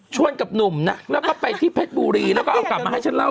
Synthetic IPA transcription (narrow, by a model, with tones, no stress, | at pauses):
t͡ɕʰu˥˩ənka˨˩p̚nu˨˩mna˦˥lɛː˦˥kɔː˥˩pa˧jt̪ʰiː˥˩pʰe˦˥t̪̚buː˧ɾiː˧lɛː˦˥wkɔ˥ʔa˧wkla˨˩p̚maː˧ɦa˥˩jt͡ɕʰnla˥˩